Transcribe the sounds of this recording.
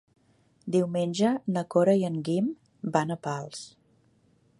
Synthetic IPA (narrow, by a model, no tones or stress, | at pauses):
d̪iwmenʲʒənəkoɾəjəŋɡim | banəpalˠs